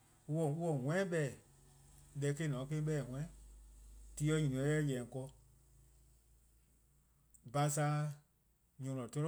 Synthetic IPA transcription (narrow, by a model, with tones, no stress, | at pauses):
u˦wɔ˨u˦wɔ˨ŋʷɛ̃˦ɓɛ˨ | lɛ˨˧˦ke˧˦˨nɔ̃˨˦kẽ˦ɓɛ˦˨ŋʷwɛ̃˦ | ti˧˦ɔ˧˦ɲĩ˨nĩ˨˧ɛ̃˨˦jɛ˦˨jɛ̃˨kɔ˧ | ba˧˦sa˧˦ | ɲɔ̃˨lɔ̃˨tɔ˦ɾɔ˦